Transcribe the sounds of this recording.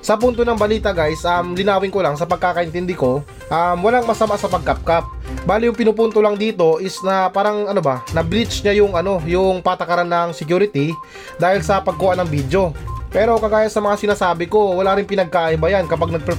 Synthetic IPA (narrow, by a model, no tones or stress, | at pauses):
sɐpunt̪onɐŋbɐliːt̪ɐɡajsʔɐmlɪnaːwɪŋko̞laŋsɐpɐɡ̚kaːkɐʔɪnt̪ɪnd̪ɪko̞ | ʔɐmwɐlaŋmɐsɐmaʔsɐpɐɡ̚kap̚kap̚baːlɪjʊŋpɪnʊpunt̪o̞lɐŋd̪iːt̪o̞ʔɪsnɐpaːɾɐŋɐnobɐnɐbɾit͡ʃɲajʊŋʔɐno̞jʊŋpat̪ɐkɐɾanːɐŋsɛkjuːɾɪt̪i | d̪aːhɪlsɐpɐɡ̚kuːʔanɐŋbid̪jo̞pɛːɾo̞kɐɡaːjɐsɐmɐŋasɪnaːsaːbɪko̞wɐlaɾɪŋpɪnɐɡ̚kaːʔɪbɐjankɐpaɡ̚nɐɡ̚pɾɛ